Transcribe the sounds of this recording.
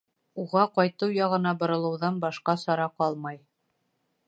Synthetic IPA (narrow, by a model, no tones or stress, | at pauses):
uʁɑqɑjt̪ɤwjɑʁɤ̆nɑbŏɾɤ̆lˠɤ̆wðɑnbɑʃqɑsɑɾɑqɑlˠmɑj